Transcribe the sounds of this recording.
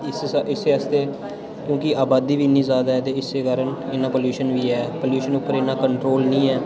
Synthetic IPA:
ɪsɪseːəst̪eː | kjõːkɪaːbaːd̪iːʋiːnːĩːzaːd̪aːɦɛːt̪eːɪseːkaːɾəneːnãːpoːljuːʃənʋiːɛːpoːljuːʃənʊpːəɾeːnãːkəɳʈɾoːlnĩːɛː

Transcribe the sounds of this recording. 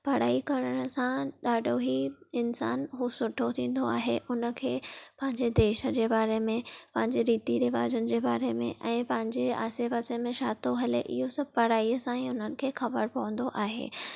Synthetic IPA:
pɐɽ̤aːikɐɾəɽ̃ə̆sãɗaːɖʱoɦiɪnsaːnɦusʊʈʰot̪ʰĩːn̆d̪oaːɦḛʔʊnə̆kʰeːpɐ̃ɦɪ̃ɲd͡ʑed̪eːʃə̆d͡ʑeːbaːɾemẽpɐ̃ɦɪ̃ɲd͡ʑeɾiːt̪iɾɪʋaːd͡ʑənɪ̆d͡ʑeːbaːɾemḛ̃ʔɛ̃ːpɐ̃ɦɪ̃ɲd͡ʑea̰ːseʋaːsemẽʃaːt̪oɦɐlḛʔɪ̰ɦosɐb̚ʱpɐɽ̤aːiəsãĩʊnənɪ̆kʰeːxɐbəɾpɐʋə̃n̆d̪oʔaːɦḛː

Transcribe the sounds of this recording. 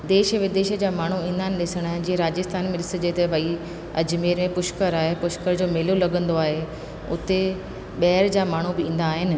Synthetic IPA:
d̪eːʃəʋɪd̪eːʃə̆d͡ʑaːmaːɳ̤uĩːn̆d̪aːɦɪnɪɗɪsəɽ̃əd͡ʑiːeɾaːd͡ʑəst̪ʰaːnmẽɗɪsəd͡ʑeːt̪eʋɐi | ɐd͡ʑmeːɾmẽpʊʃkəɾaːɦepʊʃkəɾd͡ʑoːmeːlolɐɠə̃nd̪oaːɦe | ʊ̰t̪e | ɓɐɦɪɾd͡ʑaːmaːɳ̤ubɪĩːnd̪aːɦɪnɪ̆

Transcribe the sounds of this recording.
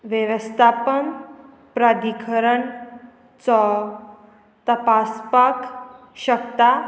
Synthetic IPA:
ʋjəʋəst̪ʰapən | pɾad̪ikʰəɾəɳ | t͡sɔ | t̪əpaspak | ɕəkt̪a

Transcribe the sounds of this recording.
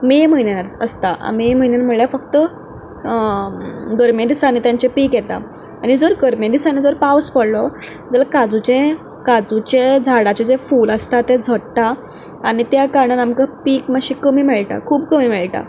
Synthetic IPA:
meməɦinanaɾəst̪aa̰meməɦinjanməɭjafək̚t̪ə | ɡəɾmjed̪isanːiːt̪jaɲt͡ɕepiːkjet̪a̰ | aɽ̃id͡zoɾɡəɾmjed̪isanːid͡zoɾpawspəɽlɔ | d͡zalakad͡zut͡ɕẽ | kad͡zut͡ɕed͡zʱaɽat͡ɕed͡zefuːləst̪at̪ːed͡zʱəɽʈ̪aː | ɽ̃it̪jakaɾɳanamkapiːkmaɕikəmiːmɛɭʈa̰kʰuːbkəmiːmɛɭʈa̰

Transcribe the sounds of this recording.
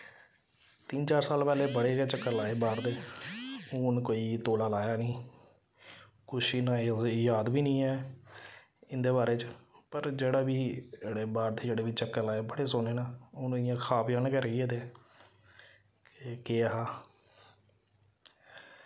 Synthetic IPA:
t̪int͡ʃaːɾsaːlpɛːleːbəɽeːet͡ʃəkːəɾlaːeːbaːɾd̪eː | ʊːnkoːiːt̪oːlaːlaːjaːnĩː | kʊʃɪnãːjaːd̪biːnĩːɛː | ɪnd̪eːbaːɾeːt͡ʃpəɾd͡ʒeːɽaːʋiːɽeːbaːɾd̪eːd͡ʒeːɽeːʋit͡ʃəkːəlaːeːbəɽeːsoneːnaːʊːnɪjãːkʰaːpd͡ʒaːnkəɾeːeːd̪eː | keːaɦaː

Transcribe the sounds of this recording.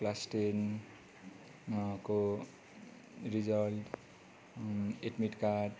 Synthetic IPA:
plasʈen | ko | ɾid͡zʌlʈ | eʈmiʈkaʈ

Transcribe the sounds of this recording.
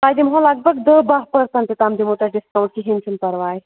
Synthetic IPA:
taːjd̪imɦõlaɡ̚bɐɡd̪əbaɦpəɾsɐ̃nt̪it̪amd̪imoʈɐɖiskawɳʈ̚kiɦint͡ʃʰunpɐɾʋaːj

